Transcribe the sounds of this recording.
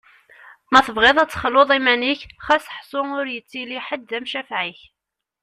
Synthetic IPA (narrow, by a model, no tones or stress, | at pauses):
mæθəvʁɪðˤæt͡sːχəlːoðˤimæniçχæsə̥ħsˤʊʊɾjət͡sːiliħəd̪ðæmʃæfʕiç